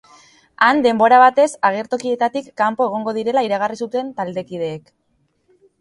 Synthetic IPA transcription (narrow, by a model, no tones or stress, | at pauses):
and̪e̞mbo̞ɾaβat̪e̞saɣ̞e̞ɾt̪o̞kie̞t̪at̪ikːampo̞e̞ɣ̞o̞ŋɡo̞ð̞iɾe̞laiɾaɣ̞arisut̪e̞nt̪ald̪e̞kið̞e̞ːk